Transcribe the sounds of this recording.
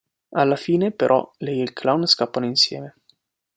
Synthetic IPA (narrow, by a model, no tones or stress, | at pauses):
alːafiːnepeɾʔɔ̰leilkʰlawnskapːanoinsjɛ̰ːme